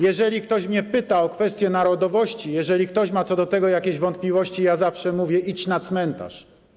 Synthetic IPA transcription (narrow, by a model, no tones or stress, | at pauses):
jɛʐɛlʲikt̪ɔɕmɲɛpɘt̪aɔkfɛst̪jɛnaɾɔd̪ɔvɔɕt͡ɕijɛʐɛlʲik̚t̪ɔɕmat̪sɔd̪ɔt̪ɛɡɔjakʲeʑvɔnt̪̚plʲivɔɕt͡ɕijazafʂɛmuvʲjɛʔit͡ɕnat̪smɛnt̪a̰ʂ